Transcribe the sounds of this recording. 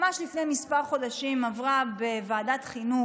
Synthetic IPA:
maʃlifnemispaʁχo̞daʃimavʁabe̞vaːdatχinu

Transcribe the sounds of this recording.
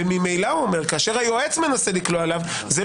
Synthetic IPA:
emimejlauome̞ʁkaːʃe̞ʁajo̞et͡sme̞naselikloalav | ze

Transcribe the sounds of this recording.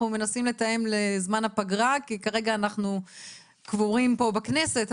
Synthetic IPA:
nume̞nasimle̞t̪aje̞mlezmanhapaɡʁakikaʁe̞ɡaːnaχnu | kvuʁimpo̞bakne̞se̞t̪

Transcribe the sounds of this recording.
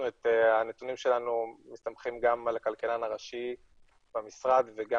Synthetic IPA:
net̪eanet̪unimʃe̞lanumist̪amχimɡamlakalkalanaʁaʃi | b̥amisʁad̪veɡa

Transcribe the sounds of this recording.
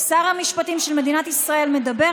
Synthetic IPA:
saʁhamiʃpatimʃelme̞d̪inat̪isʁae̞lme̞d̪abe̞

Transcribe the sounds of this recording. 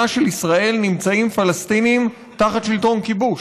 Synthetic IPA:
aʃelisʁae̞lnimt͡saimfalast̪iniːm | taχat̪ʃilto̞nkibuʃ

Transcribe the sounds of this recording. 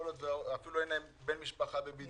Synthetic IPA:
olot̪veafiluejnaimbenmiʃpaχabebin

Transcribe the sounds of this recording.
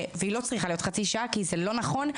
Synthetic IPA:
veilo̞t͡sʁiχalijot̪χat͡siʃakizelo̞naχo̞n

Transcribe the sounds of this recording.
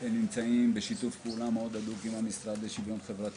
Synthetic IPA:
henːimt͡saimbeʃit̪ufpeulameo̞d̪adukimamisʁad̪leʃivjo̞nχe̞vʁat̪

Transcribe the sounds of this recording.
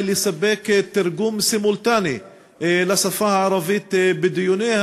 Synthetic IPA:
lɪsabːeːkt̪ːɪɾɡuːmsɪmʊlt̪aːni | lasˤafahaʕɑɾˤɑviːt̪bɪd̪ɪjuneːha

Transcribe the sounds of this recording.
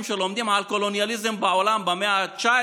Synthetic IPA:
mʃɐlomd̪imaːlkolonijɐlizimbaːwɐlaːmbɐmjat͡ʃaː

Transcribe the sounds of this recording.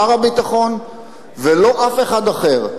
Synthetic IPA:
aʁabit̪aχo̞n | velo̞ʔafe̞χad̪aχeʁ

